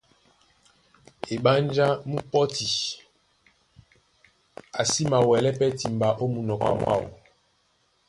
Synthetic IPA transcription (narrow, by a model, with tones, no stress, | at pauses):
e˨ɓa˦nd͡ʒa˦mu˦pɔ˦ti˨ | a˨si˦ma˨wɛ˨lɛ˦pɛ˦ti˨mba˨ʔo˦mu˨nɔ˨ka̰˨ma̰˦˨wo̰˨